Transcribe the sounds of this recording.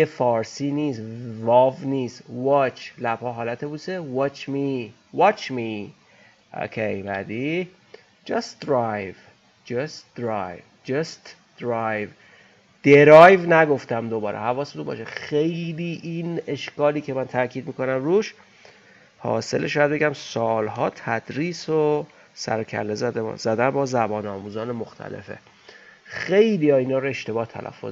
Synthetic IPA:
jefɒːɾsiːniːsvɒvniːsvɒːt͡ʃʰlæb̥hɒːɦɒːlæt̪ʰebuːsewɒt͡ʃʰmi | vɑt͡ʃʰmi | ʔo̰kʰejbæ̰d̪i | d͡ʒɒst̪d̪ɾɑjv | d͡ʒɑst̪d̪̥ɾɑ̰jvd͡ʒɑst̪ | d̪̥ɾɑjv | d̪̥eɾɒjvnæɡo̞ft̪æmd̪obɒːɾḛhævɒːset̪ubɒ̰ːʃexejliːʔine̞ʃkɒːliːcʰe̞mænt̪ʰæɾcʰiːd̪̚miːko̞næmɾuːʃ | hɒ̰ːse̞leʃːjæd̪̚beɟæmsɒːlɦɒːt̪ʰæd̪̥ɾiːso | sæ̰ɾocʰæ̰ɾlezæd̪̰zæd̪ænbɒːzæbɒːnɒːmuːzɒːnemoxt̪ʰæ̰le̞̰fe̞̰ | xe̞jliːjɒːiːnɒːɾoe̞ʃt̪e̞bɒːht̪ʰæ̰lʔæ̰fːo̰

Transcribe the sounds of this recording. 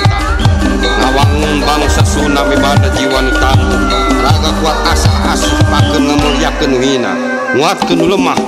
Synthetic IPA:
nawaŋuŋbaŋsasunamibanad͡ʒiwant̪alun | ɾaɡakuat̪̚asaha̰sipakənŋamuɾiakənuɦina̰ | ŋuat̪̚kənuləmah

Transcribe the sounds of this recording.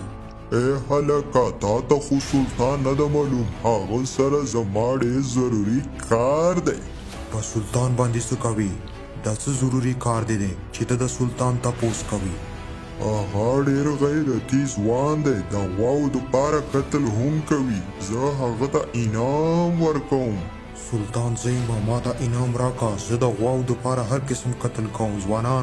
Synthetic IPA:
ehalakat̪ɑt̪axosʊlt̪ɑnːad̪amɑlumhaɣəsaɾazamɑɖeɾzaɾuɾikʰɑɾd̪ej | pəsʊlt̪ɑnbɑnd̪esəkawi | d̪ɑt͡səzaɾuɾikɑɾd̪ed̪et͡ʃet̪ad̪əsʊlt̪ɑnt̪aposkawi | aɣaɖeɾɣajed̪ət̪izwɑnd̪ed̪əɣwɑwd̪əpɑɾakat̪əlɦʊmkawi | zəɦaɣat̪aʔɪnɑmwəɾkawum | sʊlt̪ɑːnzajmamɑt̪aʔɪnɑːmɾɑkazəd̪əɣwɑwd̪əpɑɾaɦaɾkɪsmkat̪əlkawumzwɑnɑːn

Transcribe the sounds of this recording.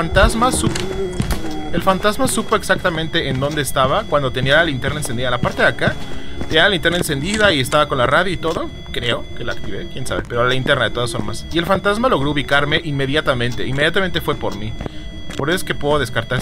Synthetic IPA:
ant̪azmasupo | e̞lfant̪azmasupo̞e̞ksak̚t̪amẽnt̪e̞end̪ond̪eːst̪aβakwand̪o̞t̪enilalint̪eɾnaensend̪iðalapaɾt̪e̞ðeakat̪enialalint̪e̞ɾnaense̞nd̪iðaie̞st̪aβakonlaraðjoit̪o̞ðo̞ | kɾe̞o̞ke̞lakt̪iβekjensa̰βe̞̰peɾoalaint̪e̞ɾnaðet̪oðasfo̞̰ɾma̰sie̞lfant̪azmalo̞ɣ̞ɾo̞uβikaɾme̞ʔimːe̞ðjat̪amẽ̞nt̪e̞̰imːe̞ðjat̪ament̪e̞fwe̞poɾmi | poɾes̬eske̞pweðoð̞e̞skaɾt̪a

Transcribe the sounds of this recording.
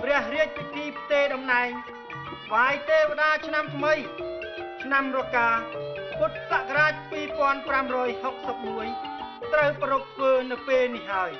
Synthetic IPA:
prɛ̆əhriəc̚pit̪ʰiːpʰt̪eːɗɑmnaɛŋ | kʰʋaːjt̪eːʋĕɗaːt͡ɕʰnamt̪ʰməj | t͡ɕʰnamrɔkaːput̪̚saʔkaɾaːc̚piːpŏənpramrɔːjhok̚səp̚muəjt̪rəwpəɾup̚t̪ʰʋəːnɨwpeːlnihɦaəj

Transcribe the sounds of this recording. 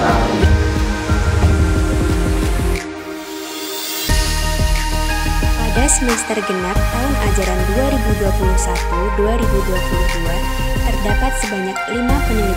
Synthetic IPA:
pa̰dasəmɛst̪ərɡənak̚t̪aɦʊna̰d͡ʒaɾanduaɾibuduapuluhsa̰t̪uduaɾibuduapuluhdua | t̪ərdapat̪̚səbaɲak̚limapənili

